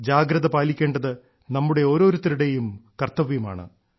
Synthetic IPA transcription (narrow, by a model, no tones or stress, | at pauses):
d͡ʑaːɡɾɐðɐpaːlikʲːe̞ːɳɖɐðɨ | nɐmːuɽe̞o̞ːɾo̞ːɾut̪ːɐɾuɽe̞jumkɐrt̪ːɐʋjuma̰ːɳɨ̰